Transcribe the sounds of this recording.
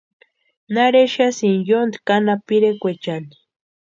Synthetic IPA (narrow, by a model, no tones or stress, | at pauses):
naɾeʃasinjond̪kanapiɾekʷet͡ʃand̪i̥